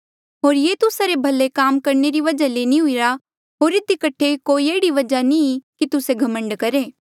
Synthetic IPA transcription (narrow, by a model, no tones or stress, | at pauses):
ɦoːɾjeːt̪ʊsaɾebʱɐlːekaːmkɐɾneɾiʋɐd͡ʒaleːnĩɦʊiɾa | ɦoːɾɪd̪ikɐʈʰekoːieːɽiʋɐd͡ʒanĩkit̪ʊseɡʱɐmə̃ɳɖkɐɾeː